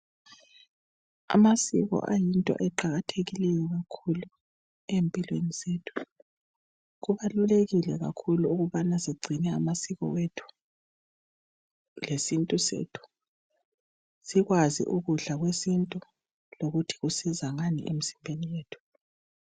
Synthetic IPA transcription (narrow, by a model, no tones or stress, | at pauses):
a̰masḭɣɔ̰ʔajintʼɔ̰ʔɛǃaɣatʰeɣilɛjɔɣakʰulu | empʼilwenizeːtʰu̥ | ɣuβaluleɣilɛɣa̰kʰuluuɣuβanasiɡ͡ǀʱinɛamasiɣɔ̰wetʰu̥ | lesintʼusḛːtʰu̥ | siɣwazḭʔuɣuɮaɣwesintʼu | loɣutʰi̥ɣusizaŋanḭʔem̩zimbʱenijeːtʰu̥